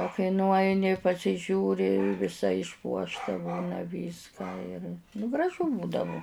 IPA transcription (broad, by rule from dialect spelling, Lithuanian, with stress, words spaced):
oː kɐɪ nʊˈɐɪnʲɪ pɐsʲɪˈʒʲuːrʲɪ ʋʲɪˈsɐ ɪʃˈpuɔʃtɐ ˈbuːnɐ ˈʋʲiːskɑː ɪr nʊ ɡrɐˈʒʊ ˈbuːdɐʋʊ